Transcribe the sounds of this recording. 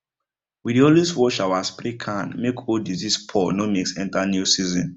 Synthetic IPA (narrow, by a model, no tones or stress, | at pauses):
widioliswɔʃawaspɾikʰãnmekʰodizispʰɔnomiksɛ̃ntanjusizɔ̰̃n